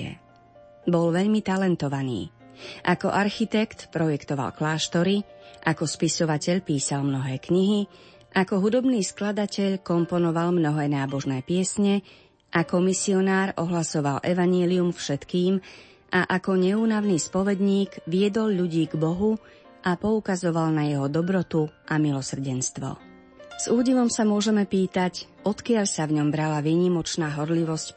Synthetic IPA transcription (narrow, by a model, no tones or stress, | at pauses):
ɛ̰ | bɔlʋɛʎmit̪alɛnt̪ɔʋanḭːʔakɔ̰ʔaɾxit̪ɛkt̪pɾɔjɛkt̪ɔʋa̰lklaːʃt̪ɔɾiʔakɔspisɔʋacɛʎpiːsalmnɔɦɛːkɲiɦi | ʔakɔɦud̪ɔbniːsklad̪acɛʎkɔmpɔnɔʋalmnɔɦɛːnaːbɔʒnɛːpɪɛsɲɛ | ʔakɔmisiɔnaːɾɔɦlasɔʋalʔɛʋaɲɪɛliumfʃɛt̪kiːm | ʔaʔakɔɲɛuːnaʋniːspɔʋɛd̪ɲiːɡʋɪɛd̪ɔlʎuɟiːɡbɔɦu | ʔapɔukazɔʋalnajɛɦɔd̪ɔbɾɔt̪uʔamilɔsr̩ɟɛnst̪ʋɔ̰ | z̥uːɟiʋɔmsamʊɔʒɛmɛpiːt̪ac | ɔt̪kɪaʎsavɲɔmbɾalaʋiːɲimɔt͡ʃnaːɦɔɾliʋɔsc